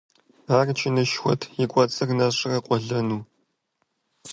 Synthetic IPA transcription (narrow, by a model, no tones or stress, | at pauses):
aːrt͡ʃʰɪnɨʃxʷɔ̰tʰjɪkʷʼɔt͡sʼɨrnɐɕʼɪrɐqʷʼɔɮɐnuː